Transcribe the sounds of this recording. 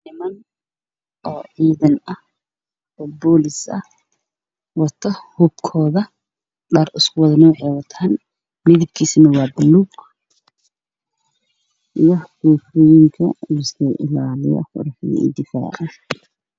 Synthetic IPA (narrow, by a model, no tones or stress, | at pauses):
ʔɪmɐn | ʔɔːʕiːðɐnɐh | ɔːbɔːlɪsɐ̰h | wɑt̪ʰɐhʊbkʰɔːðɐ | ɗaːrʊskʰʊwɑðɐnɐwɑħɑjwɑt̪ʰaːn | mɪðɪb̚kʰiːsɪnɐwɑːbʊlːuːɡ | wɑħɡuːfɔjɪŋkʰɐ̰wɪsɛʔɪ̰laːlɪjɐ̰qʊ̰ɾɐħɪðɐ̰ɪ̰d̪ɪfa̰ːʕan